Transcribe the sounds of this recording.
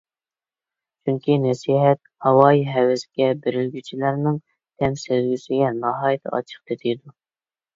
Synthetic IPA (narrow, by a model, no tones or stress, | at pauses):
t͡ʃʰyŋkʲinɛsiɦɛt̪̚hɑwɑiɦɛwɪsɡʲɛbeɾɪlɡʲyt͡ʃʰilæɾnɨŋ | t̪ʰɛmsezɡʲysɪɡʲɛnɑɦɑjt̪ʰɑ̰t͡ʃʰə̥q̚t̪ʰet̪ʰɪjd̪u